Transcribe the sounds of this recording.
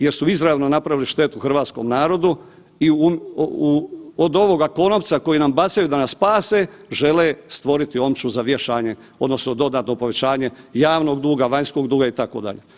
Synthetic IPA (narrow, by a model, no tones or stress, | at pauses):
je̞ɾsuizɾaeʋno̞napɾaʋiliʃt̪e̞ːt̪uuxr̩ʋaːt̪sko̞̰mnaːɾo̞d̪u | iumuod̪o̞ʋo̞ɡako̞noʋt̪sako̞jinambat̪sajud̪anasːpaːse | ʒe̞lest̪ʋo̞ɾit̪io̞mt͡ʃuzaʋjeʃaːɲe̞ | o̞d̪no̞snod̪o̞d̪at̪no̞po̞ʋe̞t͡ɕaːɲe̞jaːʋno̞ɡd̪uːɡaʋaɲsko̞ɡd̪uːɡait̪ako̞̰d̪a̰ʎḛ